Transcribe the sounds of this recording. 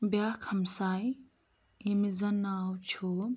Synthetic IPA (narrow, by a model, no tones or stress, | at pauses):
bjaːkʰɐmsaːj | imizɐnːaːwt͡ʃʰo